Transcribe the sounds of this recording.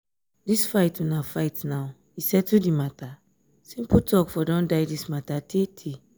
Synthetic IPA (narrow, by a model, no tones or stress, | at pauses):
disfajtunafaɪtnaw | isɛtudimata | sĩmputɔkfɔdɔ̃ndajdismatatʰetʰe